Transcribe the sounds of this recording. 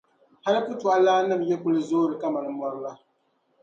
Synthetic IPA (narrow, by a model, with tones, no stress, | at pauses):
ha˦lɨ˦pʊ˦tu˨a˦laː˦nɨ˦˨mjɛ˦kʊ˦lɨ˨zoː˦ɾɨ˨ka˦ma˨nɨ˨mɔ˦ɾɨ˦la˦